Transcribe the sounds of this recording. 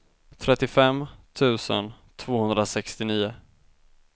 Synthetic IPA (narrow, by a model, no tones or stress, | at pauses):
t̪ʰɾɛt̪ːɪfɛmt̪ʰʉ̟ːsə̰n | t̪ʰv̥oːhɵnd̪ɾasɛkst̪ɪniːʊ